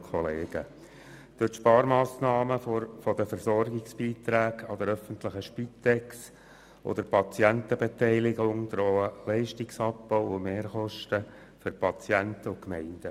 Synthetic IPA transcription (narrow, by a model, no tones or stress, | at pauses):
kʰɔleːɡ̥ə̰ | d̪̥øtʃpɑːɾmɑːsnɑːməfɔd̪əfəɾsɔrɡɪksb̥iːt̪ɾæːɡɑd̪əɾœfənt̪ləχəʃpit̪ɛks | ʔɔ̰d̪əɾpʰɑt͡sjænt̪əbet̪ɛɪlɪɡʊŋd̪̥ɾɔːəlɛɪʃtɪksɑp̚b̥ɔʊʊmeːɾχɔʃtə | fʏɾpʰɑt͡sjænt̪əʊkmɛɪnd̥̪ə